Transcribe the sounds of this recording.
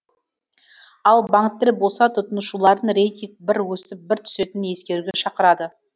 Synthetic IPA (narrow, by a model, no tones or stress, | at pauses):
ɑlˠbaŋt̪ːɪɾbo̞sɑt̪ʰʊt̪ənəʃulˠɑɾənɾejt̪ʲiŋk̚bɪɾwɵsɪp̚bɪɾt̪ʰʏ̥se̞t̪ɪnje̞skʲe̞ɾuɡʲeʃɑqəɾɑd̪ə